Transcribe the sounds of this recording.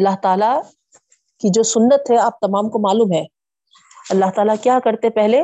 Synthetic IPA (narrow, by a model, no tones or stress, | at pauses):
ɐlːaɦt̪aːla | kid͡ʒoːsʊnːət̪ɦɛaːp̚t̪ɐmaːmkomaːluːmɦɛ̃ː | ɐlːaɦt̪aːlakjaːkɐɾt̪epɛɦle